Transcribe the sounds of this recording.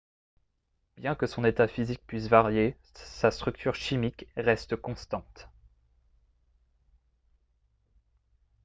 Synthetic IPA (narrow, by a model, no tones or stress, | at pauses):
b̥jɛ̃kəsɔ̃net̪afizik̚pɥisvaʁje | sast̪χyk̚t̪ʰyʁʃimikʁɛst̪əkɔ̃st̪ɑ̃t̪